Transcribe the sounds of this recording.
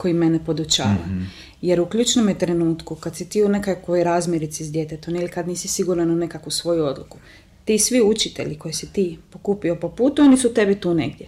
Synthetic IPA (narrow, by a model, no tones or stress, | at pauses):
ko̞jime̞nepo̞d̪ut͡ʃa̰ːʋa̰ | je̞ɾukʎuːt͡ʃnomjet̪ɾe̞nuːt̪kukad̪sit̪iːune̞kakʋojɾaːzmʲjeɾit̪sizd̪je̞t̪et̪omnilikad̪niːsisiɡuːɾnanune̞kakusʋo̞juo̞d̪lˠuku | t̪iːsʋiut͡ʃit̪e̞̰ʎiko̞jesit̪iːpokupio̞po̞puːt̪uonisut̪e̞bit̪uːne̞ɡd̪ʲje